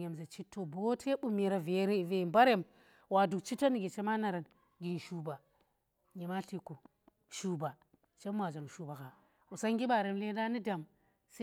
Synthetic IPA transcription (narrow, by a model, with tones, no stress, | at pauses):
ɲe˨mze˨t͡ʃi˦tːo˦˨bo˦tʰe˦ɓu˦mi˨ɾa˨ve˨ɾe˦˨ve˦i˨mba˦ɾe˦˨m | wa˨du˨kt͡ʃi˦tːo˦ni˨ɡi˨t͡ʃe˦ma˦na˨ɾa˨n | ɡi˨n˨ʃu˦ba˨ | ɲi˨ma˦ɬi˦ko˨ | ʃu˦ba˨ | t͡ʃe˦m˦a˨d͡ʒa˨nu˨ʃu˨ba˨ka˨ | u˨sa˦ŋɡi˦ba˨ɾe˨mle˦da˦ni˦da˨m | se˦